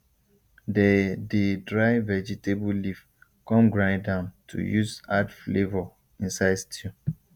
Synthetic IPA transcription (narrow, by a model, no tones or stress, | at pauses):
dɛdedɹaɪvɛd͡ʒɛtebulif | kɔ̃mɡɹãɪ̃ndãʊ̃ntʰṵjuzadflevɔ | ĩnsaɪdstʰi